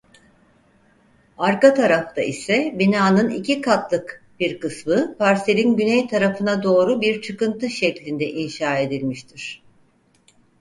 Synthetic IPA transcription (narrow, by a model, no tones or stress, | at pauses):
aɾkat̪ʰaɾaft̪ʰa̰ʔisɛbinaːnɯnḭcʰikʰat̪lˠɯk | b̥iɾkɯsmɯpaɾselʲinɟynɛjt̪ʰaɾafɯnad̪o̞ːɾubiɾt͡ʃʰɯkɯnt̪ɯʃɛclʲind̪ɛʔinʃaːe̞d̪ilʲmiʃt̪ʰiɾ̥